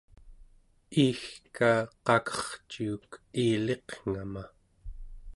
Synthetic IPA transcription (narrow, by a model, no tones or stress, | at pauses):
iːxkaːqɑkʰʌ̥χt͡ʃiːkiːle̞qŋ̥ama